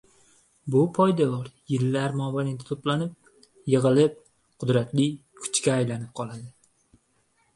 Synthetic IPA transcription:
bʊpʰɒjd̪abɒɾjɪlːaɾmɒbanat̪ʰat̪ʰoplanɪp̚ | jɨʁɨlɪp̚ | qʰʊd̪ɾat̪lɪkʰʊ̥t͡ʃkʲaːjlanɪp̚qʰɒlˠad̪ɪ

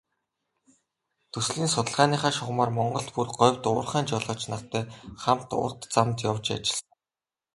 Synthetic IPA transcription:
t̪ʰɵsɮiːnsʊt̪ə̆ɮʁaːniːχaːʃʊχmaːrmɔɴɢɞ̆ɮt̪purɢɔwʲt̪ʊːrχæːnt͡ɕɔɮɔːt͡ɕnat̪ʰːæːχam̥t̪ʊ̰rt̪t͡samt̪jawt͡ɕa̰t͡ɕɪ̆ɮ

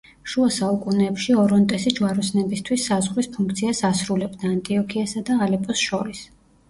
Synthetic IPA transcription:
ʃuasaukʼunɛːpʃiɔɾɔnt̪ʼɛsid͡ʒwaɾɔsnɛbist̪ʰwisːazʁɾispʰuŋkʰt̪sʰiasasɾulɛbd̪aːnt̪ʼiɔkʰiasad̪aːlɛpʼɔsʃɔɾis

